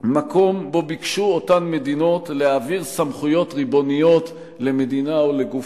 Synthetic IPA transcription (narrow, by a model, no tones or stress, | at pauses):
mako̞mbo̞bikʃuotanme̞dino̞tleaviʁsamχujo̞tʁibo̞nijo̞t | le̞me̞d̪inaole̞ɡuf